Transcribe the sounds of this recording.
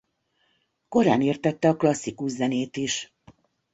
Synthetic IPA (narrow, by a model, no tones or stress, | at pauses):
ko̞ɾa̰ːneːrt̪ɛt̪ːɛɒklɒsːikuʃzɛneːt̪iʃ